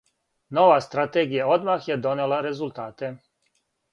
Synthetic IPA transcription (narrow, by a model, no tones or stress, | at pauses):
noʋast̪ɾat̪eːɡijaod̪maxjed̪onelaɾezulˠt̪aːt̪e